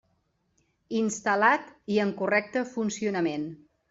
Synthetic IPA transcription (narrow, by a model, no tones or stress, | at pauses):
inst̪əlat̪iəŋkurɛk̚t̪əfunsiunəmen